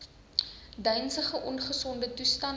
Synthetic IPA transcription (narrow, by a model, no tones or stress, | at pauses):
dœjnsəχəʔɔnχəsɔndətustɐn